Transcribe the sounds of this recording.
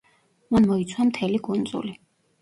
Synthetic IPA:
manmɔit̪sʰwamt̪ʰɛliɡund̪zʼṵli

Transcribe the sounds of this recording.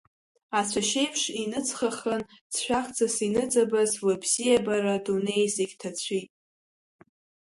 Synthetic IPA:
at͡sʷʰaʃe̞jpʰʂinɨt͡sʰχaχənt͡sʰʃʷᶣaχt͡sʼasinɨt͡sʼabazwabzijabaɾadone̞jzeɡʲtʰat͡ɕʷʰitʼ

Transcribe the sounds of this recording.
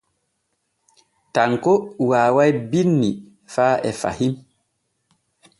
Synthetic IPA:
taŋkɔwaːwajbinːi | faːʔɛfa̰him

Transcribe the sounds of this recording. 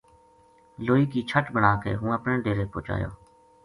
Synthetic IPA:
loːiːkiːt͡ʃʰəʈbəɳaːkḛːɦũːəpneːɖeːɾeːpo̰ːt͡ʃa̰ːjo̰ː

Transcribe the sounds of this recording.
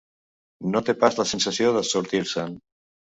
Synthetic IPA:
not̪epazlasensaθjoðasoɾt̪iɾsan

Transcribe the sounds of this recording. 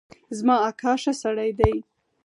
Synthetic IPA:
zmɑakʰɑʃasaɽajd̪aj

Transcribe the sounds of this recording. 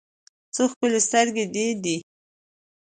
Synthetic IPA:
t͡səxpəlest̪əɾɡed̪id̪i

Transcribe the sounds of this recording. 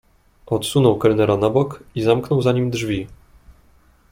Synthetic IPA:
ɔt̪sunɔwkɛɾɘnɛɾɔnabɔkizamknɔwzaɲimd̪ʐvʲi

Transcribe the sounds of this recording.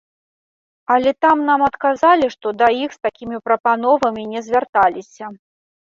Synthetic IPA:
ɐlʲɛt̪amnamɐt̪kazalʲiʂt̪ɔd̪ɐixst̪akʲimʲipɾɐpanɔvɐmʲinʲɛzʲvʲart̪alʲisʲɐ

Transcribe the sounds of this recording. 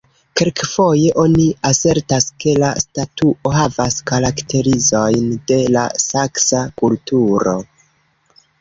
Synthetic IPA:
kelkfo̞je̞ʔo̞niase̞ɾtaske̞lastatuʔo̞ɦavaskaɾaktʰe̞ɾizo̞jnde̞la̰saksakultuɾo̞̰

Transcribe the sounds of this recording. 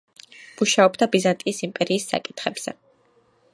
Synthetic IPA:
muʃaɔbd̪abizant̪ʼiːsimpʼɛɾiːsːa̰kʼit̪ʰχɛbz̥ɛ̰

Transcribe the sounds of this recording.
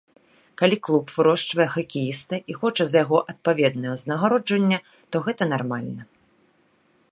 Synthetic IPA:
kalʲiklˠupvɨɾɔʂt͡ʂvɐjɛxɐkʲijist̪ɐʔixɔt͡ʂɐzɐjaɣɔʔɐt̪̚pavʲɛd̪̚nɐjɛznɐɣaɾɔd͡ʐvɐnʲːɐ | t̪ɔɣɛt̪ɐnarmalʲnɐ

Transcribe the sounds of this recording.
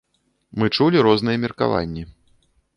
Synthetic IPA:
mɨt͡ʂulʲiɾɔznɨjɛmʲirka̰va̰nʲːɛ

